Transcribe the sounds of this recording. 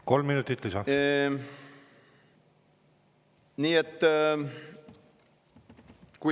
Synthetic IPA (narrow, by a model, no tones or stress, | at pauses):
ko̞lmːinut̪ːˑit̪ːlisɑ | niːet̪ː | ku